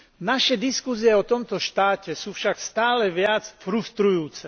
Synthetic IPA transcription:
naʃɛd̪iskuziɛɔt̪ɔmt̪ɔʃt̪aːcɛsuːfʃakst̪aːlɛʋɪat͡sfɾust̪ɾujuːt͡sɛ

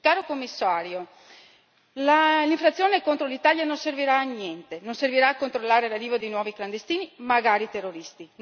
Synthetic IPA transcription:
kaːɾokomːisːaːɾjo | laliɱfɾat̪sjoːnekont̪ɾolit̪aːljanonserviɾaːnjɛnt̪enonserviɾaːkːont̪ɾolːaːɾelariːvod̪ejnwɔːvikland̪est̪iːnimaɡaːɾit̪erːoɾist̪in

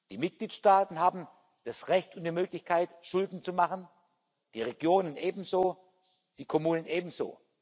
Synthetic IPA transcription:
d̥iːmɪt̚ɡ̥liːtʃtaːtn̩ɦaːbm̩ | d̥asʁɛçtʊntd̥iːmøːklɪçkʰaɪtʃʊldn̩t͡sumaχən | d̥iːʁeɡ̥joːnənʔeːbm̩zoː | d̥iːkʰɔmuːnənʔeːbm̩zo̰ː

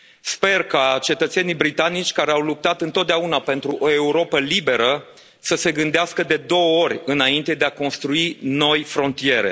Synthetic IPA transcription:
spe̞rkat͡ʃe̞t̪ət̪se̞nijbɾit̪anit͡ʃʲkaɾeawlup̚t̪at̪ɨnt̪ot̪̚d̪eaunape̞nt̪ɾuʔoe̞uɾo̞pəlibe̞ɾə | səse̞ɡɨnd̪easkəd̪e̞d̪o̞wəo̞ɾʲɨnaint̪e̞d̪eako̞nst̪ɾuino̞jfɾo̞nt̪ije̞ɾe̞̰

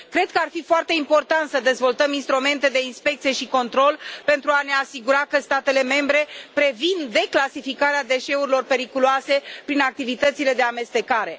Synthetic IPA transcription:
kɾe̞d̪̚kəarfifoart̪e̞impo̞rt̪ant̪səd̪e̞zvo̞lt̪əminst̪ɾume̞nt̪e̞d̪e̞inspe̞kt̪sije̞ʃiko̞nt̪ɾo̞lpe̞nt̪ɾuane̞asiɡuɾakəst̪at̪e̞le̞me̞mbɾe̞pɾe̞vind̪e̞klasifikaɾead̪e̞ʃe̞uɾilo̞rpe̞ɾikuluase̞pɾinak̚t̪ivit̪ət̪sile̞d̪e̞ame̞st̪e̞kaɾe̞

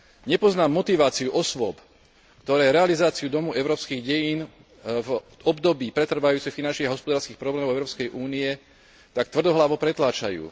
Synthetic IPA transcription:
ɲɛpɔznaːmːɔt̪iʋaːt͡siuʔɔsʋʊɔp | kt̪ɔɾɛːɾɛalizaːt͡siud̪ɔmuʔɛʊɾɔːpskiːɣɟɛjiːn | vɔbd̪ɔbiːpɾɛt̪r̩ʋajuːt͡sɛxfinant͡ʃniɣaɦɔspɔd̪aːɾskiːxpɾɔblɛːmɔʊɛʊɾɔːpskɛjʔuːniɛ | t̪ak̚t̪ʋr̩d̪ɔɦlaʋɔpɾɛt̪laːt͡ʃa̰jṵː

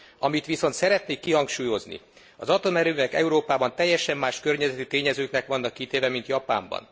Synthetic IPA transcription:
ɒmit̪ʋiso̞n̪t̪sɛɾɛt̪neːkːiɦɒŋkʃuːjo̞znḭ | ɒzɒt̪o̞mɛɾøːvɛkɛ̰uɾoːpaːbɒnt̪ɛjːɛʃɛmːaːʃkørɲɛzɛt̪it̪eːɲɛzøːknɛkʋɒnːɒkːit̪eːvɛmint̪jɒpa̰ːmbɒ̰n

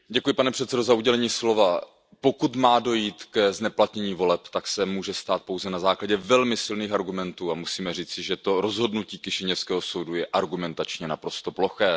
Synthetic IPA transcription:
ɟɛkujɪpanɛpr̝̥ɛt̪sɛdo̞zauɟɛlɛɲiːslo̞va | po̞kut̪maːdo̞jiːt̪kɛznɛplat̪ɲɛɲiːvo̞lɛpt̪aksɛmuːʒɛst̪aːt̪̚po̞wzɛnazaːklaɟɛvɛlmɪsɪlniːxaɾɡumɛnt̪uːamusiːmɛriːt͡sɪʒɛt̪o̞ɾozɦo̞dnuciːkɪʃɪɲɛfskɛːɦoso̞wdujɛʔaɾɡumɛnt̪at͡ʃɲɛnapɾo̞st̪o̞plo̞xɛː

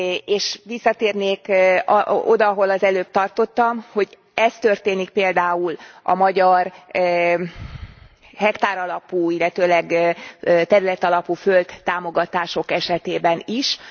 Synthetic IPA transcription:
eːʃʋisːɒt̪eːrneːk | o̞d̪ɒɦo̞lɒzɛløːp̚t̪ɒrt̪o̞t̪ːɒmho̞ɟ | ɛst̪ø̞rt̪eːnik̚peːld̪aːulɒ̰mɒɟɒr | ɦɛkt̪aːɾɒlɒpuːilːɛt̪øːlɛɡøt̪ɛɾylɛt̪ɒlɒpuːfølt̪ːaːmo̞ɡɒt̪aːʃo̞kɛʃɛt̪eːbɛniʃ

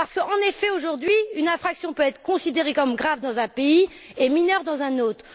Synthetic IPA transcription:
paʁsə̥kəɑ̃nefɛoʒuʁd̪ɥiynãfχaksjɔ̃pøɛt̪χə̥kɔ̃sid̪eʁekɔmɡʁavd̪ɑ̃zɛ̃pei | eminœʁd̪ɑ̃zɛ̃not̪χ

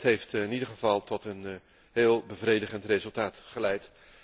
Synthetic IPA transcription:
tɦejftɪnidəɹχəvɑlˠtɔtən | ɦeːlˠbəvrejdəχəntrezɵlˠtaːtχəlɛjt

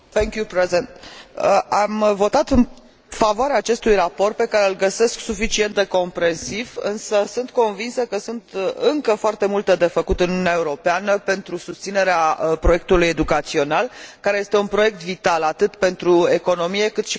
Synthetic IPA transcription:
θɛŋkjupɾezent̪əʔamvo̞t̪at̪ɨn | favoaɾeaːt͡ʃest̪ujrapo̞rt̪̚pe̞kaɾe̞ɨlɡəse̞sksufit͡ʃie̞nt̪d̪e̞ko̞mpɾe̞nsivɨ̰nsəsunt̪ko̞nvinsəkəsunt̪ɨŋkəfoart̪e̞mult̪ed̪e̞fəkut̪ɨnununeae̞uɾo̞peanəpe̞nt̪ɾusust̪sine̞ɾeapɾo̞je̞k̚t̪uluje̞d̪ukat̪sio̞nalkaɾeje̞st̪e̞unpɾo̞je̞k̚t̪vit̪alat̪ɨt̪pe̞nt̪ɾue̞ko̞no̞mije̞kɨt̪ʃi

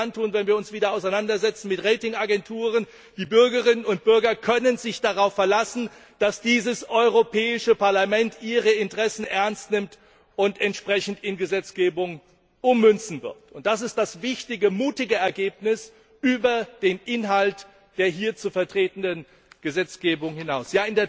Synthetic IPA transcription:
antuːnvɛnviːɐʊnsv̥iːdɐaʊsaɪnandɐzɛt͡sn̩mɪtʁeɪtɪŋaɡɛntʰuːʁən | d̥iːbʏɐɡəʁɪnənʊnt̚b̥ʏɐɡɐkʰœnənzɪçd̥aʁaʊfːɛɐlasn̩d̥asd̥iːzəsʔɔʏʁopʰɛːɪʃəpaɐlamɛntʔiːʁəɪntəʁ̥ɛsn̩ʔɛɐnstnɪmt | ʔʊntɛntʃpʁ̥ɛçn̩tɪnɡəzɛt͡sɡ̥eːbʊŋ | ʔʊmːʏnt͡sn̩vɪ̰ɐtʊnt̚d̥as̬ɪst̚d̥asvɪçtɪɡəmuːtɪɡəɛɐɡeːpnɪs | ʔyːbɐd̥eːnʔɪnɦalt | d̥eːɐɦiːɐt͡suːɐfɛɐtʁ̥eːtn̩dən | ɡ̥əzɛt͡sɡ̥eːbʊŋhɪnaʊsjaːɪndeːɐ

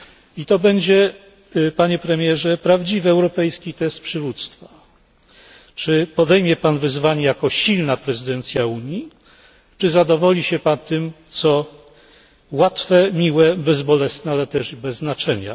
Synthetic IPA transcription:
it̪ɔbɛɲd͡ʑɛ | paɲɛpɾɛmʲjɛʐɛpɾavd͡ʑivɘɛwɾɔpɛjskʲit̪ɛst̪̚pʂɘvut̪st̪fa | t͡ʂɘpɔd̪ɛjmʲjɛpanvɘzvaɲɛjakɔɕilnapɾɛzɨd̪ɛnt̪sʲjauɲi | t͡ʂɘzad̪ɔvɔlʲiɕɛpat̪ɘmt̪sɔ | wat̪fɛmʲiwɛbɛzbɔlɛsnɛalɛt̪ɛʐbɛzːnat͡ʂɛɲa̰

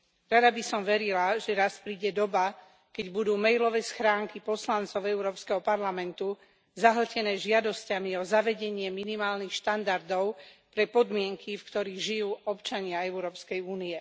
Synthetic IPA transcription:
ɾad̪abisɔmʋɛɾilaʒɛɾaspɾiːɟɛd̪ɔba | kɛɟbud̪uːmɛjlɔʋɛːsxɾaːŋkipɔslantt͡sɔʊɛuʊɾɔːpskɛɦɔpaɾlamɛnt̪u | zaɦl̩cɛnɛːʒɪad̪ɔscamiɔzaʋɛɟɛɲɪɛminimaːlnixʃt̪and̪aɾd̪ɔʊpɾɛpɔd̪mɪɛŋkʰifkt̪ɔɾiːɣʒijuːɔpt͡ʃaɲɪaɛʊɾɔːpskɛjuːniɛ

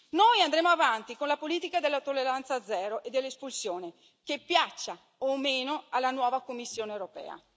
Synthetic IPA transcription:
nojand̪ɾeːmoavant̪ikonlapoliːt̪ikad̪elːat̪olːeɾant̪sad̪zːɛːɾoʔed̪ːelːespulsjoːne | kepːjat͡ʃːa | omeːnoalːanwɔːvakomːisːjoːneewɾopɛ̰ːa̰

